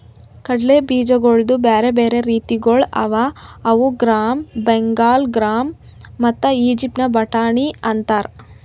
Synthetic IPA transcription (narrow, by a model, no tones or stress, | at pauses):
kɐɽlebiːd͡ʒɐɡoɭd̪ubeːɾebeːɾe̞ɾiːt̪iɡoɭɐ̰ʋaɐʋuɡɾaːmbeŋɡaːlɡɾaːmː | ɐt̪ːɐiːd͡ʒip̚ʈnɐbɐʈaːɳiɐnt̪aːɾ